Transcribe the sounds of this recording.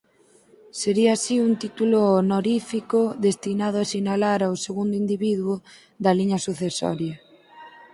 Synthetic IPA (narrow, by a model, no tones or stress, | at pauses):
seɾiaːsiunt̪it̪ulʊonoɾifikʊðest̪inaðʊasinalaɾawseɣund̪oind̪iβiðwʊ | ðɐliɲɐsuθesɔ̰ɾjɐ